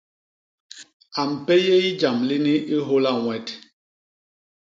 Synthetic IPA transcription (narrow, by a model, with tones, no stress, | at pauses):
a˨m̩˨pe˦je˦i˦d͡ʒa˨mli˦ni˦ʔi˦ɦo˦la˦˨ŋwɛ˦t